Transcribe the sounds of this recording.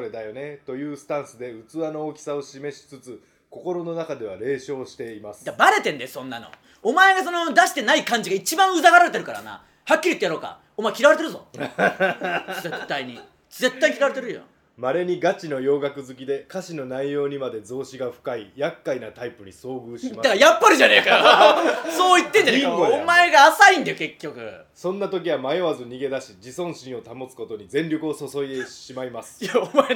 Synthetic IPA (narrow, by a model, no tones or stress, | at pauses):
soɾe̞d̪ajo̞ne̞t̪o̞jɯ̟ːsɨ̥t̪ãɰ̃sɨd̪e̞ɯ̟t͡sɨano̞okʲi̥sao̞ɕime̞ɕi̥t͡sɨt͡sɨ | ko̞ko̞ɾo̞no̞nakad̪e̞β̞aɾe̞ːɕo̞ːɕi̥t̪e̞imasɨ̥d̪abaɾe̞t̪ẽ̞nd̪esõ̞nːano̰ | omae̞ɡas̬o̞no̞d̪aɕi̥t̪e̞naikãɲ̟d͡ʑiɡait͡ɕibãɰ̃ɯ̟zaɡaɾaɾe̞t̪e̞ɾɯ̟kaɾa̰na̰ | hakʲːiɾʲit̪ːejaɾo̞ːka̰ | omaekʲiɾaβaɾe̞t̪eɾɯ̟zo̞̰ | zet̪ːaiɲ̟i | ze̞t̪ːaikʲiɾaβaɾe̞t̪eɾɯ̟jo̰ | maɾe̞ɲ̟iɡat͡ɕino̞jo̞ːɡakɯ̟zɨkʲid̪e̞kaɕino̞naijo̞ːɲ̟imad̪e̞zo̞ːɕiɡaɸɯ̥kaijakːainat̪aipɯ̟ɲ̟iso̞ːɡɯːɕimad̪akajapːaɾɯd͡ʑanekaɾaso̞ːit̪ːẽɲ̟d͡ʑaneaomae̞ɡaːsaĩnd̪ajoke̞kʲːo̞kɯ̟̰ | sõ̞nːat̪o̞kʲiβamajoβazɨɲ̟iɡe̞d̪aɕid͡ʑisõ̞ɰ̃ɕĩɰ̃o̞t̪amo̞t͡sɨ̥ko̞t̪o̞ɲ̟izẽ̞nɾʲo̞kɯ̟o̞soso̞id̪e̞ɕimaimasɨ̥aoma